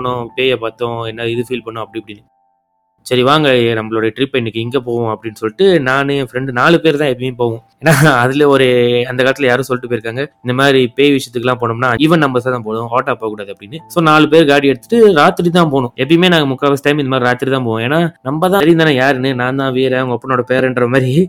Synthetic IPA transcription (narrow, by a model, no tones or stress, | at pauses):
oɳʊ̃peːjɐpaːt̪ːõɛnːɐɪðɯfiːlpɐɳːʊ̃ɐpːɐɽiɐpːɐɽɪnːɯ | sɐɾiʋaːŋɡɐnɐmːɐɭɔːɽɐjɐʈɾɪpːɐɛnːɯkːɯɪŋɡeːpoːʋʊ̃ɐpːɐɽɪnːɯsɔlːɪʈːɯnaːnɯ̃fɪɾɛɳɖɯnaːɭɯpeːɾt̪ãːɛpːɽɪmeːpoːʋʊ̃eːnːaːɐðɪlɐɔɾɯɐnd̪ɐkaːɐt̪ːɪlɐjaːɾɯ̃ːsɔlːɪʈːɯpoːjɪɾɯkːaːŋɡɐɪnd̪ɐmaːd̪ɾipeːʋɪt͡ʃːɐt̪ːɯkːɐlãːpoːɳɯmnaːɪʋɐ̃nɐmbɐsat̪ãːpoːɽʊ̃oːʈːaːpːoːkːuːɽaːðɯɐpːɽɪnːɯsoːnaːɭɯpeːɾɡaːɽiɛɽɯt̪ɯʈːɯɾaːt̪ːɪɾit̪̬ãːpoːɳʊ̃ɛp̬ːɐɽimeːnãːŋɡɐmʊkːaːʋɐsʈɐɪmɪnɐmaːɾiɾaːt̪ːɪɾit̪ãːpoːʋõeːnːaːnɐmbɐt̪ãːɾiɪnd̪ɐnãːjaːɾɛnːɯnaːnd̪ãːʋiːɾɛɐʋɐŋɡɐɐpːɐnoːɽɐpeːɾɛɳɖɾɐmaːɾɾi